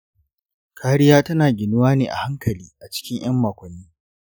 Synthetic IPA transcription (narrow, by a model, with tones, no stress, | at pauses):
kʰaː˦ɽɪ˦jaː˦tɐ˦naː˨ɡʲɪ˨nʊ˦waː˦neː˨ʔa̰˨ha˦ŋkɐ˨liː˦ʔa˨t͡ʃɪ̥˦kʲɪ˦ɲj̰ɐ˦mːaː˨kʷɐ˨nːiː˦